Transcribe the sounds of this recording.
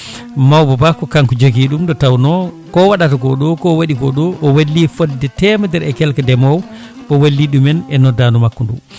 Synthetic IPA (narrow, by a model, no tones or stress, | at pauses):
mawbabakɔkaŋkud͡ʒoɡiɗumɗɔtawnɔ | kɔwaɗataɡɔɗɔkɔwaɗiɡɔɗɔʔɔwalːifɔddɛtɛmadɛɾɛkɛlkɛdɛmɔw | ʔɔwalːiɗumɛnɛnɔdaːnumakːɔndṵ